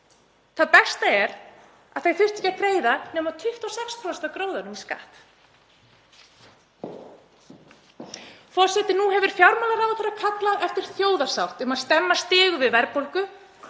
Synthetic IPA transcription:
θaðpɛst̪aɛɾ | aðθajθʏht̪ɪ̥cːakɾeːjðanɛːmaðt̪ʰʏht̪ɔsɛkst̪ʰɔst̪akɾoːwðaɾʏmiska̰ːht̪ | fɔr̥sɛt̪ɪnuɦɛvʏɾ̥fjawɾmaːlaɾawt̪ʰœɾakʰat̪laʔɛft̪ɪɾ̥θjoːwðḁsawht̪ʏmaðst̪ɛmːast̪ɪːɣʏvɪðvɛɾpowlkʏ

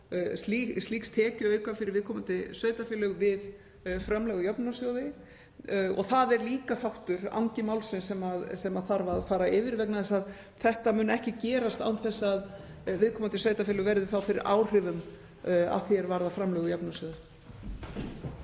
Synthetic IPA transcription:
slist̪liːkst̪ʰɛːcʏœːɥkafɪɾɪɾvɪðkʰɔmant̪ɪsœːɥt̪afɪːlʏɣvɪð | fɾamlɛɣʏjœpnasjowðɪ | ɔ̰θaðɛɾliːkafawht̪ʏɾa̰wɲcɪmawlsɪnsɛmaðsɛmaðθaɾvaðfaːɾaɪːvɪɾvɛk̚naðɛsað | θɛht̪amʏːnɛhcɪcɛːɾast̪a̰wθɛsːaðvɪðkʰɔːmant̪ɪsœːɥt̪afɪlʏɣvɛɾðɪθawfɪɾɪ̰ɾʔa̰ːwr̥ɪvʏm | a̰ðθjɛɾvaɾðafɾamlœːɣʏjɔpnasjoːwðɪ

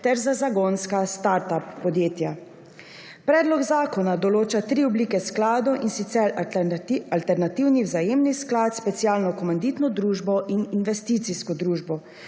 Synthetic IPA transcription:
t̪ɛɾzazaɡonskast̪aɾt̪apːɔd̪jeːt̪ja | pɾɛːd̪lɔɡzaːkɔnad̪ɔloːt͡ʃat̪ɾiɔbliːkɛsklaːd̪ɔʔinsit̪sɛɾ | alt̪ɛɾnat̪iwniwzajeːmnisklaːt̪spɛt̪sijaːlnɔkɔmand̪iːt̪nɔd̪ɾuːʒbɔʔininʋɛst̪iːt̪siskɔd̪ɾuːʒbɔ

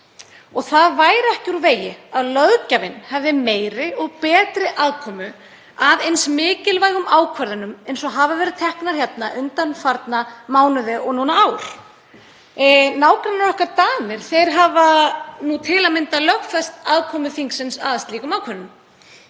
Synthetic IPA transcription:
ɔɣθaðvaːjɾɛhcɪuɾveːjɪaðlœðcavɪnhɛvðɪmeːjɾɪɔɣpɛːt̪ɾɪʔaːðkʰɔːmʏ | aðejnsmɪːcɪlvaːjɣʏmaːwkʰvaɾðʏnʏmejns̬ɔɦavavɛːɾɪðt̪ʰɛhknaɾ̥çɛt̪naʔʏnt̪anfaɾt̪namaːwnʏðɪɔɣnuːnaaːwɾ̥ | naːwkɾanːaɾɔhkaɾt̪aːmɪɾ̥θejɾ̥ɦavanut̪ʰɪlamɪnt̪alœxfɛst̪aðkʰɔːmʏθiŋksɪnsa̰ːðast̪liːkʏmawkʰɛɾnʏm

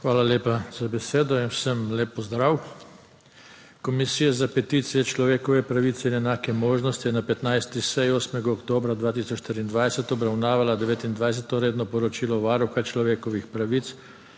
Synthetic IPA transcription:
xʋaːlaleːpaz̥abɛseːd̪ɔinwsəmleːpːɔzd̪ɾaːw | kɔmisiːjazapɛt̪iːt̪sijɛt͡ʃlɔʋeːkɔʋɛpɾaʋiːt̪sɛinɛnaːkɛmoːʒnɔst̪ijɛnapɛt̪najst̪isɛjoːsmɛɡaɔkt̪oːbɾad̪ʋaːt̪isɔt͡ʃʃt̪ɾiːnd̪ʋajsɛt̪ɔbɾawnaːʋalad̪ɛʋeːt̪ind̪ʋajs̬ɛt̪ɔɾeːd̪nɔpɔɾɔt͡ʃiːlɔʋaːɾuxat͡ʃlɔʋeːkɔʋixpɾaʋit̪s

